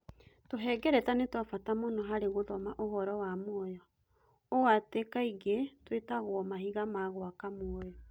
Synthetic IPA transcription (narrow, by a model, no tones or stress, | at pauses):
toɦɛɡɛɾɛtanetwafatamonɔɦaɾeɣoðɔmaʔoɦɔɾɔwamwɔjɔ | owatekaiɡetwetaɣwɔmahiɣamaɣwakamwɔjɔ